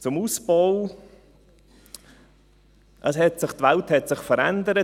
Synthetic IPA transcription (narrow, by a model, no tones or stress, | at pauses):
t͡sʊmuːsbɔʊ | ʔəshɛtsɪχtvɛlthɛtsɪχfəɾɛndəɾə